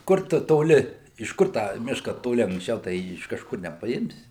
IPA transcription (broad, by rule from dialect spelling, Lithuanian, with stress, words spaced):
ˈkʊr tʊ toːˈlʲɪ ɪʃ ˈkʊr tɑː ˈmʲɪʃkɐ toːˈlʲɪ ɐŋksʲˈt͡ʃʲɛʊ tɐɪ ˈjiː ɪʃ kɐʃˈkʊr nʲɛpɐˈɪmʲsʲɪ